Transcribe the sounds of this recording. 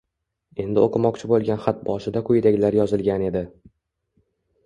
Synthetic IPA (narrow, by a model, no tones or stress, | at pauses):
e̞nd̪ɪoqʰɨmɒqt͡ʃʰɪbolˠɡʲanχat̪̚bɒʃɪd̪akʰʊjɪd̪aɡʲlaɾjɒzɪlɡʲane̞d̪ɪ